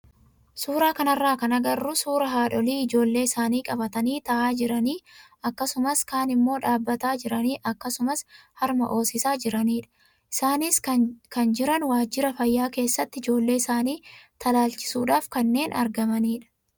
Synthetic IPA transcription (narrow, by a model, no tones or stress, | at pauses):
suːɾaːkɐnɐrːaːkɐnɐɡɐrːʊsuːɾɐɦaːᶑɔliːɪd͡ʒo̞ːlːe̞ːɪsaːniːkʼɐbɐt̪ɐniːt̪ɐʔaːd͡ʒɪɾɐniː | ɐkːɐsʊmɐskaːnɪmːo̞ːᶑaːbːɐt̪aːd͡ʒɪɾɐniːʔɐkːɐsʊmɐshɐɾmɐ̰ʔo̞ːsɪsaːd͡ʒɪɾɐniːᶑɐ̥ | ʔɪsaːnɪskɐnd͡ʒɪɾɐnwaːd͡ʒɪɾɐfɐjːaːke̞ːsːɐt̪ːɪɪd͡ʒo̞ːlːe̞ːɪsaːniːt̪ʰɐlaːlt͡ʃɪ̥suːᶑaːfkɐnːe̞ːnʔɐɾɡɐmɐniːᶑɐ̥